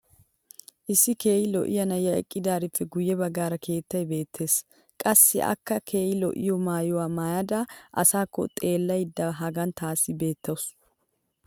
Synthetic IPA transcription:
ʔɪsːɪke̞ːjɪlɔ̰ʔɪjɐnɐjːɐɛ̰kʼːɪd̪aːɾɪpːɛɡʊjːɛbɐɡːaːɾɐkʰe̞ːt̪ːɐjbe̞ːt̪ʰːe̞ːs | kʼɐsːɪ̰ʔɐ̰kːɐkʰe̞ːjɪlɔ̰ʔɪ̰jɔmaːjʊwaːmaːjɐd̪aːʔɐsaːkːɔ̰t̪ʼe̞ːlːɐjd̪ːɐɦɐɡɐnt̪ʰaːsːɪbe̞ːt̪ːɐwʊs

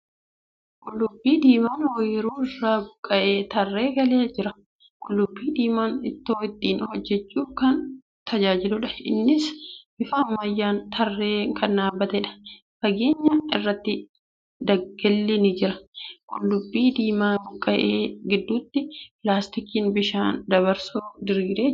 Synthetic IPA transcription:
kʼʊlːʊbːiːd̪iːmaːnwɔjɪɾuːɪrːaːbʊkʼːɐʔe̞ːt̪ɐrːe̞ːɡɐleːd͡ʒɪɾɐ | kʼʊlːʊbːiːd̪iːmaːnɪt̪ːo̞ːɪt̪ʼːiːnhɔd͡ʒːɛt͡ʃːuːkɐn | t̪ʰɐd͡ʒaːd͡ʒɪlʊᶑɐɪnːɪsʔɪfaːmːɐjːaːnt̪ʰɐrːeːŋkʰɐnːaːbːɐt̪ɛᶑɐ̥ | fɐɡe̞ːɲːɐɪrːɐt̪ːɪ | d̪ɐɡɡɛlːɪnɪd͡ʒɪɾɐkʼʊlːʊbːiːd̪iːmaːbʊkʼːɐʔeːɡɪd̪ːuːt̪ːɪpɪlaːst̪ɪkiːnbɪʃaːnd̪ɐβɐɾsud̪ɪɾːɾeː

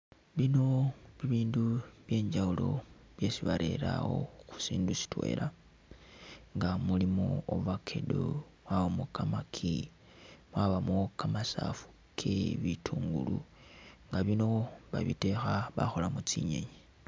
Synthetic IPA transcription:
βino̞βiβiːnduβje̞ːɲd͡ʒaulo̞βje̞siβaɾʔe̞ɾaɣo̞̰xu̥siːndusi̥twe̞̰ːlʔa | ŋɡamulimooβakʰe̞do | mwaβamokamakʰi | mwaβamokamasafu̥ | kʰeβitʰuːŋɡulu | ŋɡaβino̞βa̰βḭte̞xaβa̰xolamut͡siɲe̞̰ɲi

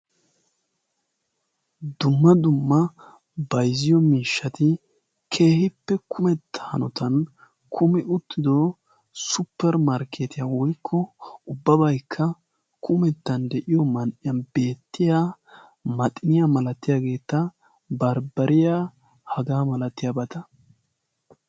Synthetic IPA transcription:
d̪ʊmːɐd̪ʊmːɐ | bɐjzɪjɔmiːʃːɐt̪ɪ | kʰe̞ːhɪpːɛkʰʊmɛt̪ːɐ̥hɐ̰nɔt̪ʰɐn | kʰʊmɪʔʊt̪ːɪd̪ɔ | sʊpːɛɾmɐɾkːeːt̪ɪjawɔjkʰːɔʊbːɐbɐjkʰːɐ | kʰʊmɛt̪ːɐnd̪ɛʔɪjɔmɐnʔɪjɐnbe̞ːt̪ːɪjaː | mɐt̪ʼɪnɪjamɐlɐt̪ːɪjaːɡe̞ːt̪ːɐ | bɐɾbɐɾɪja | hɐɡaːmɐlɐt̪ːɪjabɐt̪ɐ

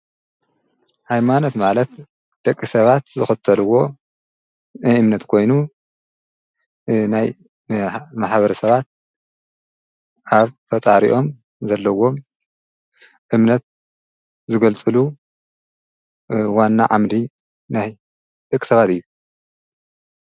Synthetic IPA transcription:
hajmano̞t̪malɐt̪ | d̪̥ɐkʼːisɐβat̪zɨxɐt̪ʰːɐlɨwo̞ | ɨmnɐt̪kʰo̞jnu | naj | maħβɐɾɐsɐβat̪̚ | ʔaβt̪ʰɐt̪ʼaɾḭʔo̞m | zɐlːɐwo̞m | ʔɨmnɐt̪̚ | zɨɡɐlt͡sʼɨlu | wanːa̰ʕamd̪i | naj | d̪̥ɐkʼːi̥sɐβat̪ɨjːu

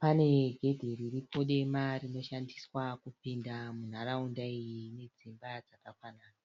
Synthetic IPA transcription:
pane̞ɡʱe̞dʱiɾiripʰo̞ɗe̞marino̞ʃandiswakupindamun̤araundaijine̞d͡zimbad͡zakakwanaːna

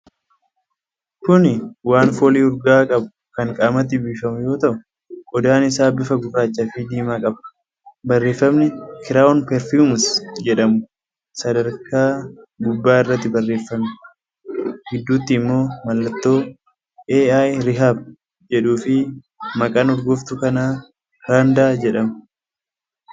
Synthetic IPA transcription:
kʊnɪwaːnfoːliːʊɾɡaːkʼɐbʊ | kɐŋkʼaːmɐt̪̬ːɪbiːfɐmʊjo̞ːt̪ɐʔʊ | ʔɔd̪aːnɪsaːbɪfɐɡʊkaːt͡ʃːafɪd̪iːmaːkʼɐb | bɐrːe̞ːfːɐmnɪkɪɾaːɔnpɛɾfjuːmʊsd͡ʒɛᶑɐmʊ | sɐd̪ɐɾkaːɡʊbːaːɪrːɐt̪ːɪbɐrːe̞ːfːɐmn | ɡɪd̪ːuːt̪ːiːmːo̞ːmɐlːɐt̪ːo̞ː | ʔeːaːjɾɪɦaːb | d͡ʒɛᶑuːfɪ | mɐkʼanʊɾɡʊft̪ʊkɐnaː | kaːnd̪aːd͡ʒɛᶑɐmʊ

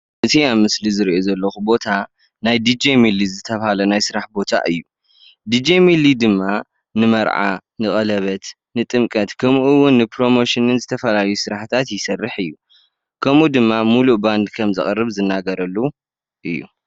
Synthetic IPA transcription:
ʔɨt̪ʰiamɨslizɨɾiʔo̞zɐlːɐxubo̞t̪ʰa | najd̪id͡ʒemilizɨt̪ʰɐβhalɐnajsɨɾaħbo̞t̪ʰa̰ʔɨjːu | d̪id͡ʒemilid̪ɨmːa | nɨmɐɾʕa̰ | nɨkʼɐlɐβɐt̪ | nɨt̪ʼɨmkʼɐt̪kʰɐmuʔɨwʊnːɨpʰɾo̞mo̞ʃɪnɨnzɨt̪ʰɐfɐlajusɨɾaħt̪ʰat̪jɪsɐrːɨħɨjːu | kʰɐmud̪ɨmːamuluʔband̪kʰɐmzɨχʼrːɨβzɨnːaɡɐɾɐlːu | ʔɨjːṵ

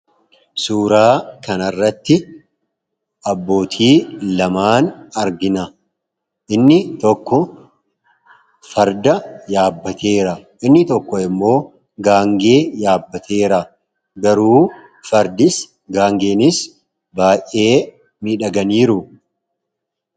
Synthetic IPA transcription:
suːɾaːkɐnɐrːɐt̪ːɪ | ɐbːo̞ːt̪ʰiːlɐmaːnɐɾɡɪnɐ | ʔɪnːɪt̪ɔkːɔ | fɐɾd̪ɐjaːbːɐt̪ʰe̞ːɾɐʔɪnːɪt̪ɔkːɔɪmːo̞ː | ɡaːŋɡe̞ːjaːbːɐt̪ʰe̞ːɾɐ | ɡɐɾuː | fɐɾd̪ɪs | ɡaːŋɡe̞ːnɪs | baːjʔe̞ː | miᶑɐɡɐniːɾʊ

